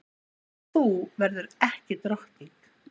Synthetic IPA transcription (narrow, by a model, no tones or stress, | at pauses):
θuvɛɾðʏɾɛhcɪt̪ɾɔht̪ik